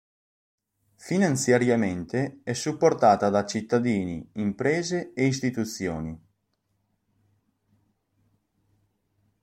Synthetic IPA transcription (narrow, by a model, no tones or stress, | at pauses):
finant̪sjaɾjament̪eɛsːupːort̪aːt̪ad̪at͡ʃit̪ːad̪iːnḭimpɾɛːzeeis̬t̪it̪ut̪sːjoːni